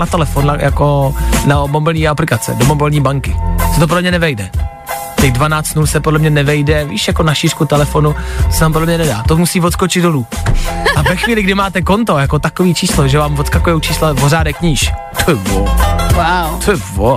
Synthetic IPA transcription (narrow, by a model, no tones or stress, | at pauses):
nat̪ɛlɛfonajʔa̰konabombɪlɲiːaplɪkat͡sɛ̰dobombɪlɲiːbaŋkɪsɛt̪op̬odlɛmɲɛnɛvɛjdɛ | cɛɣdvanaːt͡st̪nusɛpodlɛmɲɛnɛvɛjdɛviːʃjakonaʃiːrkut̪ɛlɛfo̞nut̪o̥sɛnaːmpodlɛmɲɛnɛda̰ːt̪omusiːvot̪skot͡ʃɪd̪doluːavɛxviːlɪɡdɪmaːt̪ɛko̞nt̪o̞jako̞t̪akoviːt͡ʃiːsloʒɛvaːmvot̪skakojɛwt͡ʃiːslavozaːdɛkɲiːʃ | t̪ʰojɛvowat̪ojɛvo